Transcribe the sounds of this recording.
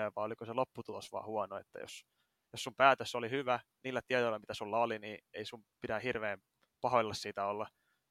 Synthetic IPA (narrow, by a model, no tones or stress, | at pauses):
eʋʋɑːolikoselopːut̪ulosʋɑ̰ːhuɑnoḛt̪ːæ̰jo̰s | jossumpæːt̪øsolihyʋæniːlːæt̪iet̪oilːɑmit̪æsulːɑoliniːeisumpitæhirʋeːm | pɑhoilːɑssiːt̪æolːɑ